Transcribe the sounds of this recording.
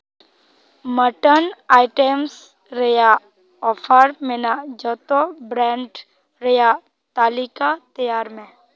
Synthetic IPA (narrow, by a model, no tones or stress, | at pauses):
məʈənaːɪʈems | ɾeja | ɔːpʰəɾmẽnad͡ʒɔːt̪obɾɛ̃ːɳɖ | ɾeja | t̪aːlikat̪ɐjaːɾmẽ